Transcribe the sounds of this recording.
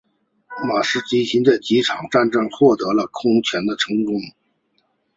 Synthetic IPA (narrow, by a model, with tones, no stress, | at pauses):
ma˨˩ʂɻ̩˥t͡ɕi˥nɕi˧˥nt͡sa˥˩ɪt͡ɕi˧˥ʈ͡ʂʰɑ˨˩ŋʈ͡ʂa˥˧nʈ͡ʂɤ˥˧ŋxwɔ˥˩t̪ɤ˧˥lə˧kʰʊ˥ŋt͡ɕʰɥɛ˧˥nd̪ə˧ʈ͡ʂʰɤ˧˥ŋkʊ˥ŋ